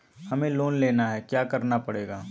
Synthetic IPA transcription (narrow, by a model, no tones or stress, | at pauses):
hɐmẽloːnleːnaɦɛkjaːkɐɾnapɐɽeːɡaː